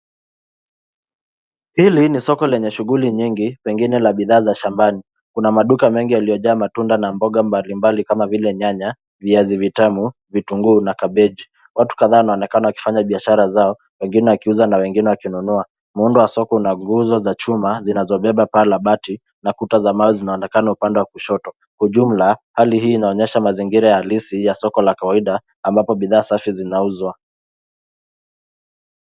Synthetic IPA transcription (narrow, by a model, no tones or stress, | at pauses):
pilinisɔkɔlɛɲɛʃuɣuliɲiŋɡipɛŋɡinɛlaɓiðaːzaʃambani | kunamaɗukamɛŋɡijalijɔʄaːmatundanambɔɠambalimbalikamavilɛɲaɲa | viazivitɛmu | vituŋɡuːnakaɓɛʄi | wʔatu̥kaðaːwanaɔnɛkanawaki̥faɲaɓiaʃaɾazaɔ | wɛŋɡinɛwakiuzanawɛŋɡinɛwakinunua | mundɔwasɔkɔunaŋɡuzɔzat͡ʃumazinazɔɓɛɓapalaɓati | nakutazamaɔzinaɔnɛkanaupandɛwakuʃɔtɔ | kwauʄum̩lahalihiːnaɔɲɛʃamaziŋɡiɾajahalisijasɔkɔlakawaiɗaː | mbapɔɓiðaːsafizinauzwa